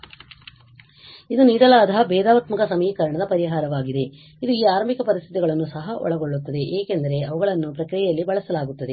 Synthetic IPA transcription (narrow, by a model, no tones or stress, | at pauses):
id̪uniːɾɐlaːd̪ʱɐbɛːd̪aːʋɐt̪mɐkɐsɐmiːkɐɾɐɳɐd̪ɐpɐɾiɦaːɾɐʋaːɡid̪e̞ | id̪uiːaːɾɐmikɐpɐɾist̪ʰit̪iɡɐɭɐnːusɐɦɐʔɔ̰ɭɐɡoɭːut̪ːɐd̪e̞ʔeːkend̪ɐɾe̞ɐʋɐɡɐɭɐnːupɾɐkɾijɛjɐlːibɐɭɐsɐlaːɡut̪ːɐd̪e